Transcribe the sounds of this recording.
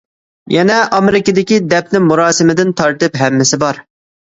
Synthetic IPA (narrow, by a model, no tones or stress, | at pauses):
jɛnɛʔɑmɪɾɪkʲɪd̪ɪkʲid̪ɛp̚nɪŋmuɾɑːsɪmɪd̪ɪnt̪ʰɑɾt̪ɨpɦɛmːɪsɪbɑɾ